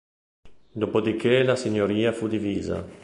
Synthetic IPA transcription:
d̪opod̪ikelasiɲoɾiːafud̪iviːza̰

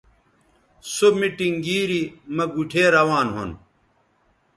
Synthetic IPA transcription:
somiʈiŋɡiːɾimɐɡuʈʰeːɾɐwaːnɦo̰n

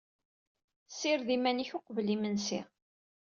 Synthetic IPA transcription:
siɾðimæniçoqvlimənsḭ

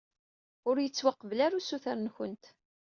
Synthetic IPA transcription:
ʊɾjət͡sːwaqːəvlaɾusuθaɾnçənt̪

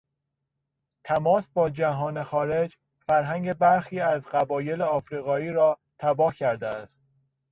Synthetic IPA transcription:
t̪ʰæmɒːsbɒːd͡ʒæɦɒːnexɒːɾe̞d͡ʒ | fæɾɦæŋɟe̞bæɾxiːæzɢæbɒːje̞leɒːfɾiːɣɒːiːɾɒːt̪ʰæbɒːhcʰæɾd̪eæst̪̚

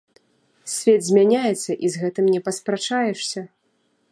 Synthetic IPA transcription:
sʲvʲɛd̪zʲmʲanʲajɛt̪sːɐʔizɣɛt̪ɨmnʲɛpɐspɾat͡ʂajɛʂsʲɐ

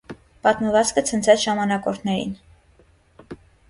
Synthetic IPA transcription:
pɑt̪məvɑt͡skət͡sʰənt͡sʰɛt͡sʰʒɑmɑnɑkɔɾt̪ʰnɛɾḭn

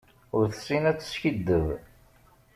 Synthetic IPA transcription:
ʊɾθə̥sinæt͡sːə̥sçəd̪ːəv

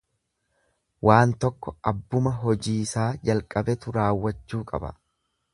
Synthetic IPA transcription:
wʔaːnt̪ɔkːɔʔɐbːʊmɐɦɔd͡ʒiːsaːd͡ʒɐlkʼɐbɛt̪ʊɾaːwːɐt͡ʃːuːkʼɐ̰bɐ̰

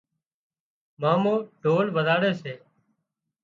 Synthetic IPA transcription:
maːmõːɖʱoːlʋəd̪aːɽeːseː

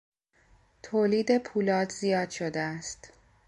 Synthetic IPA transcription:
t̪ʰoːliːd̪e̞pʰuːlɒːd̪zijɒːd̪̥ʃod̪eæst̪

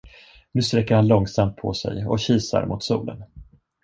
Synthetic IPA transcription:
nʉ̟ːst̪ɾɛkːəɾhanlɔŋsamt̪̚pʰɔsɛ̰jɔɕiːsa̰ɾmʊt̪suːlə̰n

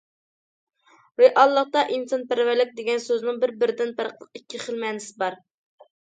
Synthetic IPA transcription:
veʔɑlˠːəq̚t̪ɑʔinsɑnpæɾvæɾlɪk̚ʲd̪eɡʲɛnsøznɪŋbɪɾbɪɾɪd̪ɪnpæɾqʰəlˠə̥qikʲːiχəlˠmɛnɪsɪbɑɾ

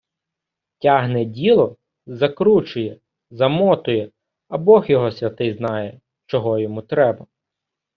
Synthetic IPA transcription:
tʲɑɦnɛdʲilˠɔ | zɐkɾut͡ʃʊjɛ | zɐmɔt̪ʊjɛ | ɐbɔxjɔɦɔsʲʋʲɐt̪ɪjznɑjɛ | t͡ʃɔɦɔjɔmut̪ɾɛbɐ

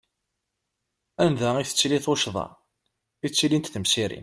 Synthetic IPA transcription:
ænðæiθə̥t͡sːliθoʃðˤɑ̰ | it͡sːilint̪θəmsiɾḭn

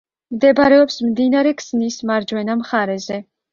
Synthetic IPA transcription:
md̪ɛbɾɛɔpsmd̪inaɾɛkʰsnismaɾd͡ʒwɛnamχaɾɛzɛ

